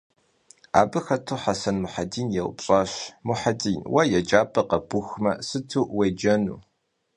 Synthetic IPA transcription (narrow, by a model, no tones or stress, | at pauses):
a̰ːbɨxɐtʰuħasɐnmʊħadiːnjɛw̰pɕʼaːɕmʊħadʼiːnwɐjɛd͡ʒʼaːpʰʼɐqɐb̥ʊxmɐsɨtʰuːwed͡ʒɐnṵː